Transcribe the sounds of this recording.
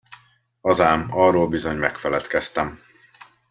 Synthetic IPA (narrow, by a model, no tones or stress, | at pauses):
ɒzaːmɒroːlbizoɲmɛkfɛlɛt̪kɛst̪ɛm